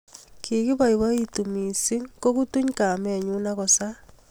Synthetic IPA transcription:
kʰi˨ɣi˦βa˦iβa˦i˦tumi˨si˦ko˦ɣu˦tu˦ɲka˨me˨ɲu˦na˦ɣɔ˨sa

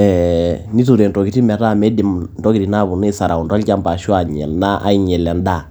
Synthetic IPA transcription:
ɛni˦tu˨ɾe˨ndɔ˨ki˨ɾi˦mɛ˨ta˦˨mɛ˦di˨mndɔ˦ki˨ɾi˨na˦˨βu˨ne˦sa˨ɾa˨u˨nda˦lca˦mba˨ʃu˦a˨ɲɛ̰˨lna˦ʔa̰˦i˦ɲɛ˨lɛ˨nda˦˨

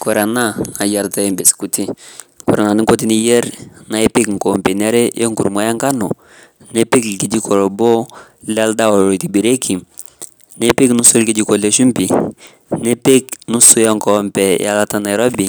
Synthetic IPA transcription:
kɔ˨ɾa˨na˦na˨ja˨ɾta˦jɛ˨mbe˨sku˨ti˦ | kɔ˨ɾa˨na˨ni˦ŋkɔ˦t̬i˦ni˦jɛ˦ɾna˨˦ɛ˦pe˦kŋ̩˨kɔ˨mpe˨nɛ˦ɾɛ˦jɛ˦ŋkṵ˨ɾma˦ja˦ŋka˦nɔ˨ | nɛ˦pe˦klki˨d͡ʒi˦kʰɔ˨ɾɔ˨bɔ˦lɛ˦a˦lda˦ɔ˨ɾo˨ti˨bi˨ɾe˦kʰi˨m | ne˦pe˦knu˦su˦lki˦d͡ʒi˦kɔ˨lɛ˨ʃu˦mpi˨ | nɛ˦pe˦knu˦su˦ja˦ŋkɔ˦mpɛ˨ja˦la˦ta˦na˨jɾɔ˦bi˨

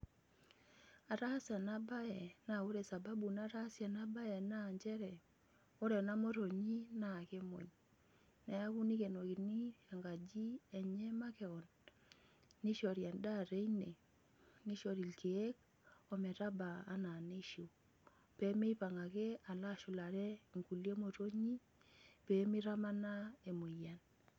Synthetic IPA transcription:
a˨ɾa˦sja˨na˦ba˦jɛ˨na˨o˦ɾe˨sa˨ba˦bu˨na˦ɾa˦sja˨na˦ba˦jɛ˨na˦˨ɲd͡ʒɛ˦ɾɛ˨ | o˦ɾɛ˨na˦mo˦ɾo˨ɲi˦na˨ke˦mo̰˨ɲ | nɛ˨a˦ku˦ni˦ke˨no˨ki˨ni˦a˨ŋɡa˨d͡ʒi˦ɛ˨ɲɛ˦ma˦kɛ˨ɔ˨nː | i˦ʃɔ˨ɾja˨nda˦˨ɾe˦ine˨ | ni˦ʃɔ˨ɾi˨lke˨e˦k̚ | ɔ˨mɛ˨ta˦baː˨˦na˨ne˦ʃo˨ | pɛ˨˦me˦i˦pa˨ŋa˨kɛ˦a˨la˦˨ʃʊ˨la˨ɾɛ˦ŋku˨lje˦mo˨to˦ɲi˦ | pɛ˦mi˦ɾa˦ma˦na˦e˨mo˨ja˨n

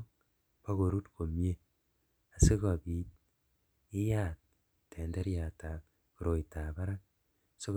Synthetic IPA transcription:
pa˦ko˨ɾu˦tko˨mje˦ | a˨se˦ka˨bi˨t̚ | ɪ˦ja˨t̚ːʰ | e˨nde˦ɾja˨ta˨ | ku˨ɾo˨jta˨ba˦ɾa˦ŋ | so˦k

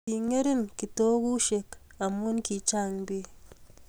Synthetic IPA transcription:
i˨ŋe˦ɾi˦nki˨to˦ɡu˦ʃe˨k | a˨mo˦nki˨t͡ʃa˦˨ŋbi˦

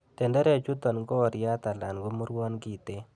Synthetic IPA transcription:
tɛ˨ndɛ˦ɾɛ˨t͡ʃu˦tɔ˨nɡɔ˦˨ɾja˦t̪a˨la˨nɡo˦mu˦ɾwɔ˦nki˨te˦

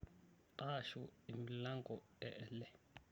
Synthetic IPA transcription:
ǃʼa˦ʃui˨mi˨la˦ŋɡʱɔ | ɛʔɛlɛ˦

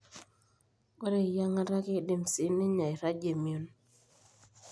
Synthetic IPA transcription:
o˦ɾe˨ja˦ŋa˦ɾa˦ke˦˨de˨msi˦nɪ˦ɲa˨i˨ɾa˦d͡ʒe˨mjo˨n

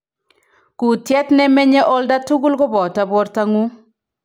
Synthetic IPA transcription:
ku˨tjɛ˦tnɛ˦mɛ˦ɲɛ˦ʔɔ˦lda˦tu˦ɡu˦lkɔ˦bɔ˨ta˨bwɔ˦ɾta˦ŋu˦

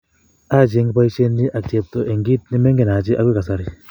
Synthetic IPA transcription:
a˦˨d͡ʒe˧ŋɡpa˦jʃe˦ndi˦ʔa˨kse˧p̚to˨ʔe˨ŋɡi˦t̪̚ni˦me˦ŋɡe˨na˨d͡ʒi˦ʔa˦kʷwe˦ka˨sa˧ɾi˨

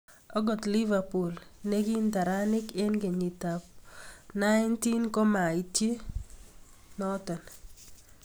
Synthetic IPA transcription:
ɔ˦ɡɔ˨tli˦va˨pu˨lne˦ɡi˦nta˨ɾa˦nɪ˦ke˦nɡe˨ɲi˨ta˨p̚na˦ɪnti˦nkɔ˦ma˨i˨tje˦ | nɔ˦tɔ˨n

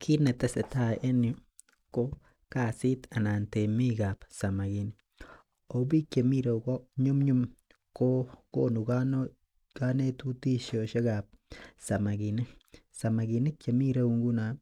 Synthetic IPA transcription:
kʰi˦ne˨te˦se˨ta˦˨ʔe˦nju˦ | ko˦ | ka˦si˦ta˨na˨nte˨mi˦ka˨psa˨ma˨ɡi˨ni | o˨bi˦kt͡ʃe˨mi˦ɾe˨ko˦ɲu˦mɲu˦m | ko˦ko˦nu˨kan | ka˦ne˦tu˦ti˦ʃjo˨ʃe˦kap̚sa˨ma˨ɡi˨ni˦sa˨ma˨ɡi˨ni˦kt͡ʃe˨mi˦ɾe˦u˨ŋɡu˦na˨

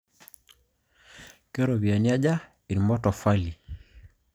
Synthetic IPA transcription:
kɛ˦ɾɔ˨βi˨a˨ni˦a˦d͡ʒa˦ | i˨ɾimɔ˦tɔ˨fa˦li˨

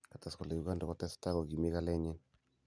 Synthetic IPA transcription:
ka˨ta˨skɔ˨la˨ju˨ɡa˦ndɔ˨kɔ˨tɛ˦sta˦ɣɔ˨ɡi˨mi˦ka˦lɛ˦ɲi˦n

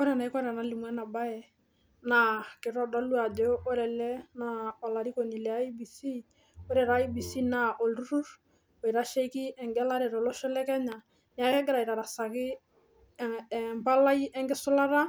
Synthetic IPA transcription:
kɔ˦ɾɛ˨na˨i˦kɔ˦ɾa˨na˨˦lɪ˨mwɛ˦na˨ba˦ɛ˨ | na˨kɪ˨ɾɔ˦da˦lu˦a˨d͡ʒɔ˦ɔ˦ɾɛ˨lɛ˦na˨ɔ˨la˨ɾi˦ko˨ni˨lɛ˨a˦i˦bi˨si˦ | o˦ɾɛ˨ɾa˨˦i˦bi˨si˦na˨ʔo˨lɾu˦ɾu˦ɾ | ɔ˨i˨ɾa˦ʃɛ˦i˦ki˦ɛ˨ŋɡɛ˦la˦ɾɛ˨ɾɔ˨lɔ˦ʃɔ˦lɛ˦kɛ˦ɲa˨ | ɲa˨kɛ˦ɡɛ˦ɾa˨i˨ɾa˨ɾa˨sa˨kɪ˦ | mpa˦la˦i˦ʔɛ˦ŋɡɪ˦sʊ˦la˦ɾa˦

